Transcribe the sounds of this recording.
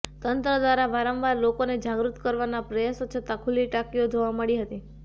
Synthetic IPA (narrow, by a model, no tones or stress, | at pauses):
t̪ənt̪ɾəd̪ʋaɾaʋaɾə̃mʋaɾlokoned͡ʒaɡɾut̪kəɾʋanapɾəjasot͡ʃʰət̪akʰuliʈakiod͡ʒoʋaməɭiɦət̪i